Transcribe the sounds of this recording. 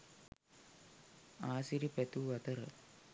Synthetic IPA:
aːsiɾipɛt̪uʋɐt̪ɐɾə̰

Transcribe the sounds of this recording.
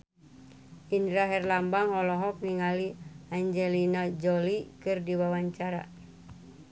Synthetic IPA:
ʔinɾaɦɛrlambaŋɔlɔɦɔk̚niŋaliaɲd͡ʒɛlinad͡ʒɔlikɨrdiwawaɲt͡ʃaɾa̰

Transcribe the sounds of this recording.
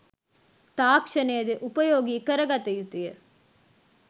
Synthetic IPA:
t̪aːkʂɐneːd̪ɯʔʊpɐjoːɡikɐɾɐɡat̪ːɐjut̪ːɪjɐ

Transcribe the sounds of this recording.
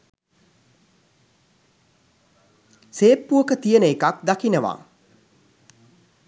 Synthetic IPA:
seːpːuəkət̪ijənəekak̚d̪akinəʋa̰

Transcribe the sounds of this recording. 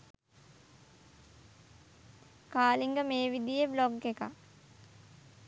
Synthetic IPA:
kaːliŋɡəmeːʋid̪ijəbloɡeka̰

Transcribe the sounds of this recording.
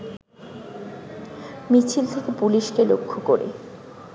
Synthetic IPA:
mit͡ɕʰilt̪ʰekepuliʃkelokʰːokoɾḛ

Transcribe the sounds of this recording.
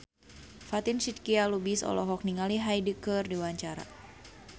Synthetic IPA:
fat̪insit̪̚kialubisɔ̰lɔ̰ɦɔk̚niŋaliɦajdikərdiwaɲt͡ʃaɾa̰

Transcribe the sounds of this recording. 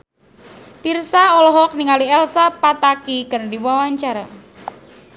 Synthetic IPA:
p̪irsaɔlɔɦɔk̚niŋaliɛlsapat̪akikərdiwawaɲt͡ʃaɾa̰

